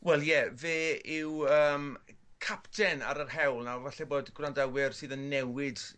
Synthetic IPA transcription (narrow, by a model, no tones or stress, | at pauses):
wɛlˠjɛveːɪwəːmkʰaptʰɛna̰ɾərɦɛwlˠnawvaɬɛboːdɡrandawɪrsɨːðənːɛwɪd̥